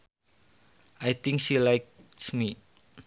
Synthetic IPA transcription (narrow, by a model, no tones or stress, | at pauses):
ʔajt̪ɪŋkʃilajk̚smi